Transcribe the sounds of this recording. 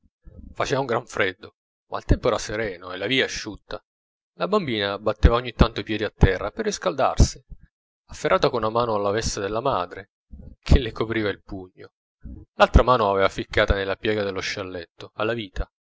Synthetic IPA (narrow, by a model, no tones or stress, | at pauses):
fat͡ʃeːvauŋɡɾaɱfɾɛd̪ːo | mʔa̰ilt̪ɛmpoɛɾaseɾɛːnoelːaviːaʃːut̪ːa | labambiːnaːbːat̪ːeːvaoɲːit̪ːant̪oipjɛːd̪iat̪ːɛrːaperːiskald̪a̰rsi̥ | afːerːaːt̪akonunamaːnoalːavɛst̪ad̪elːamaːd̪ɾe | kʰelːɪkopɾiːvailpuɲːo | lalt̪ɾamaːnoavɛvafikːaːt̪anelːapjɛːɡad̪elːoʃalːɛt̪ːoalːaviːt̪ʰa